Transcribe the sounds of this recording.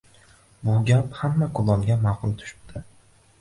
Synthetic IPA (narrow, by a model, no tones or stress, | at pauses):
bʊɡʲaphamːakʰʊlˠɒmɡʲamaqʊlˠt̪ʰʊ̥ʃɪ̥p̚t̪ʰɪ